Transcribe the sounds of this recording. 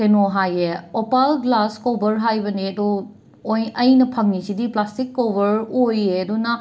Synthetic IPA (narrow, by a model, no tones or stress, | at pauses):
enoɦajeopalɡlaskobɐɾɦajbɐniɐdɔ | ojɐjnɐpʰɐŋnisidiplastikːobɐɾojeɐdunɐ